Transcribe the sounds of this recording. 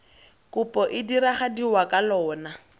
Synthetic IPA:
kʊpʼɔʔɪdiɾaχadiwakʼalɔːna

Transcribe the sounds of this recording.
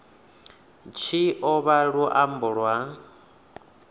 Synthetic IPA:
t͡ʃʰiʔɔβaɺuʔambuɺwa

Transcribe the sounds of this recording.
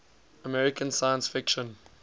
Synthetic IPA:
əmɛɹɪkʰə̃nsaɪjə̃nsfɪkʃə̃n

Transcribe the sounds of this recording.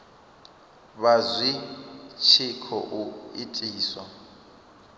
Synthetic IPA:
βazʷit͡ʃʰikʰɔ̰ʔuitʼiːswa

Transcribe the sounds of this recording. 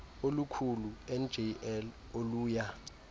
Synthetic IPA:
olukʰuluɛnd͡ʒɛɛl | oluːja

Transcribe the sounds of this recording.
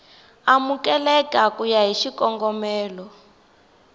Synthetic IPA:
amukɛlɛkakujaɦiʃikɔŋɡɔmɛːlɔ

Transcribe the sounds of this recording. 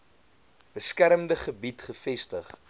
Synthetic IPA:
b̥əskæɾəmdəχəbitχəfɛstəχ

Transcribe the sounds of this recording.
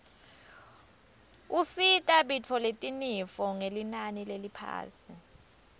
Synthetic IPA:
usitʼaɓit͡fʰɔletʼinifɔŋelinanilelipʰa̰ːsi

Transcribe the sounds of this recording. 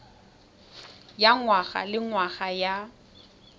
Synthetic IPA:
jaŋwaɣa̰lɪŋwaɣaja

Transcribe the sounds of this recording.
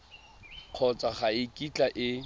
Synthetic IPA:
q͡χʰɔt͡sʼaχaɪkʼit͡ɬʼaʔɪ

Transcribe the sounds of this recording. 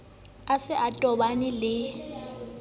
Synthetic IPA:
asɪʔatʼɔbanɪlɪ

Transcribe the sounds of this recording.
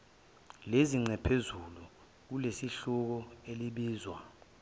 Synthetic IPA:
leziŋ͡ǀʱɛpʰezulu | k̬ulesiɬuk̬ɔeliɓiːzwa̰

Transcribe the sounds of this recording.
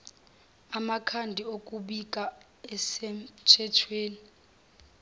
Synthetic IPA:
amakʰandʱiokʼuɓik̬ʼa | ɛsɛm̩t͡ʃʰɛtʰweːni

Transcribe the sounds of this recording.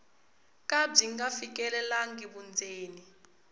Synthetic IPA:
kab͡ʐiŋɡafik̬ʼɛlɛlaŋɡiɓund͡zʱeːni

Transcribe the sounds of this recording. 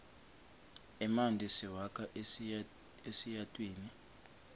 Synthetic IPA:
ɛmandʱisiwakʰʼaʔ | esijatʼwiːni

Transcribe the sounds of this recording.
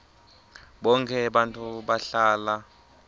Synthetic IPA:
ɓɔŋkʰɛɓantʼuɓaɬaːla

